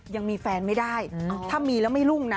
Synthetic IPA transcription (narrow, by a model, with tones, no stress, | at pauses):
ja˧ŋmiː˧fɛː˧nma˥˩jda˥˩jt̪ʰaː˥˩miː˧lɛː˦˥wma˥˩jlu˥˩ŋna˦˥